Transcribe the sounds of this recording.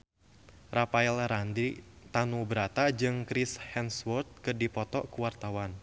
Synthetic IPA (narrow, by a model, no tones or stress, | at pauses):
rafaɛlɾandit̪anubəɾat̪ad͡ʒɨŋkɾishɛnswɔrt̪̚kɨrdipɔt̪ɔʔkuwart̪awan